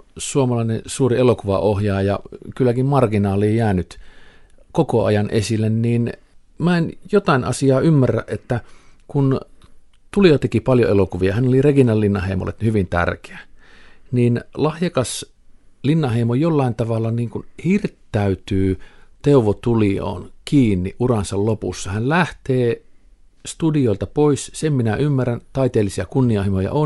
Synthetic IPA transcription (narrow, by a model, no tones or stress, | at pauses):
suomɑlɑinesuːrielokuʋɑ̰ʔohjɑːjɑkylːækimmɑrkinɑːliːjæːnyt̪ | kokoɑ̰jɑnʔḛsilːenniːn | mæenjot̪ɑˑinʔɑ̰siɑːymːærːæ̰ʔʔet̪ːækun | t̪uliot̪ekipɑljo̰elokuʋiɑhænolirekinɑlːinːɑheimo̰lḛt̪hyʋint̪æ̰rke̥æniːnlɑhjɑkɑs | linːɑheˑimojolːɑint̪ɑʋɑlːɑniːŋkunhirt̪ːæyt̪yːt̪euʋot̪ulio̰ːnkiːnːiʔʔurɑnsɑllopṵsːɑhænlæht̪eː | st̪udioˑilt̪ɑpoissemminæymːærænt̪ɑit̪eːlːisiɑkunːiɑhimojɑ̰ʔo